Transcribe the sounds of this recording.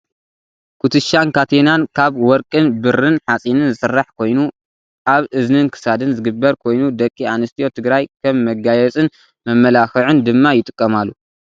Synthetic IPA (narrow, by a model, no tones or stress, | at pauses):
kʰut̪ʰɨʃankʰat̪ʰenankʰaβwɔɾkʼɨnbɨɾɨnħat͡sʼinɨnzɨsɨrːaħkʰo̞jnu | aβʔɨznɨnkʰɨ̥sad̪ɨnzɨɡɨbːɐɾkʰo̞jnud̪ɐkʼːianɨst̪ʰijo̞t̪ʰɨɡɾajkʰɐmːɐɡajɛt͡sʼɨn | mɐmːɐlaxɨʕɨnd̪ɨmːajɪt̪ʼɨkʼːɐmalːu